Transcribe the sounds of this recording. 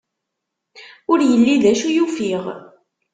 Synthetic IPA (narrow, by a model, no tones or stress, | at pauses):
ʊɾjəlːiðæʃujufiʁ